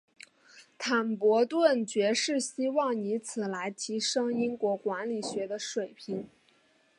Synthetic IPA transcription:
t̪ʰa˨˩npwɔ˧˥t̪wə˥˩nt͡ɕɥɛ˧˥ʂɻ̩˥˩ɕi˥wɑ˥˩ŋi˧˥t͡sʰɹ̩˨˩la˧˥ɪt̪ʰi˧˥ʂɤ˥ŋi˥nkwɔ˧˥kwa˧˥nli˨˩ɕɥɛ˧˥d̪ə˧ʂwe˨˩ɪpʰi˧˥ŋ

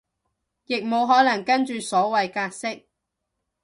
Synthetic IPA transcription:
jɪ˨k̚mo˨˧wɦɔː˨˥lɐ˨˩ŋkɐ˥nt͡ʃyː˨sɔː˨˥wɐ˨jkaː˧k̚sɪ˥k̚

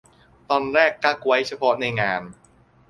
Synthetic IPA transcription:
t̪ɔː˧nɾɛː˥˩kːa˥˩k̚wa˦˥jt͡ɕʰa˧pʰɔ˦˥ʔna˧jŋaː˧n

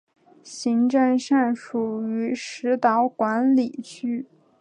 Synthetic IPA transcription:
ɕi˧˥ŋʈ͡ʂə˥˧ŋʂa˥˩nʂu˨˩y˧˥ʂɻ̩˧˥t̪ɑ˧˥ʊkwa˧˥nli˨˩t͡ɕʰy˥˩

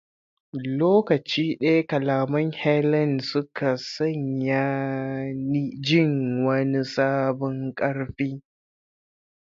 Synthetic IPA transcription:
loː˦kɐ˨t͡ʃiː˦ɗɐ˦ja˦kɐ˨laː˨mɐ˦ŋhɛ˦lɐ˦˨nsʊ˦kʰa˨sɐ˦˨ɲja˦ | ni˦d͡ʒɪ˦˨ŋwɐ˦ni˦saː˦bɔ˦ŋkʼɐ˦ɽɸiː˦

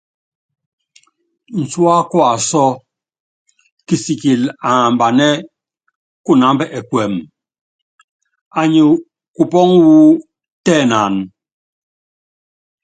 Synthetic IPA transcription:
n̩˨t͡swa˦kwa˨sɔ˦ | ki˨si˨ki˨la˨m˨ba˨nɛ˦ | ku˦na˨˦m˦bɛ˦ʔɛ˨kwɛ˨m | a˨ɲi˨ | ku˨pɔ˦ŋwu˦ | tɛː˦˨na˨n

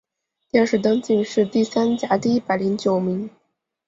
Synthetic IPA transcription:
t̪jɛ˥˧˩ʂɻ̩˥˩t̪ɤ˥ŋt͡ɕi˥˧ŋʂɻ̩˥˧t̪i˥˩sa˥nt͡ɕja˧˥t̪i˥˩i˥pa˨˩ɪli˧˥ŋt͡ɕjo˨˩ʊmi˧˥ŋ

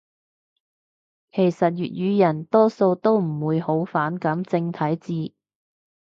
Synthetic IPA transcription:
kʰe˨˩jsɐ˨t̚jy̰ː˨t̚jyː˨˧jɐ˨˩nt̪ɔː˥so˧wt̪o˥wm̩˨˩wuː˨˧jho˨˥wfaː˨˥nkɐ˨˥mt͡sɪ˧ŋt̪ʰɐ˨˥jt͡siː˧

